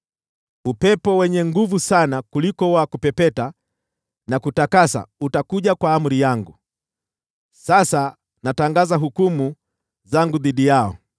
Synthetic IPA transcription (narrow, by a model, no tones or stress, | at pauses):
upɛpɔwɛɲɛŋɡuvusanakulikɔwakupɛpɛta | nakutakasa̰utakuʄakwaːm̩ɾijaŋɡu | sasa | nataŋɡazaɦukumu | zaŋɡuðiɗijaɔ̰